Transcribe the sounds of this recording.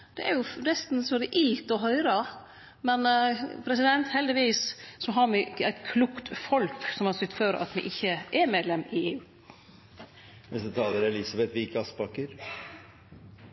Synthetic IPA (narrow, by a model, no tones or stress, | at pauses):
d̪̥ɛʔæɾjʊnɛst̪n̩sɔd̪ɛʔɪlt̪ɔɦœʏɾɑ | mɛnpʰɾɛsɪd̪ɛnt̪hɛld̪ɪʋiːssɔɦɑɾmɪæɪt̪kʰluːkt̪fɔlksɔmhɑɾsʏt̪ːføːɾə̰ʔɑ̰t̪mɪ̰ʔɪçːəʔɛɾmeːd̪lɛmɪeːʉː | ʋɪsd̪ɛt̪ʰɑːləɾɛlɪsɑbɛt̪ʋɪɪkɑspɑkːəɾ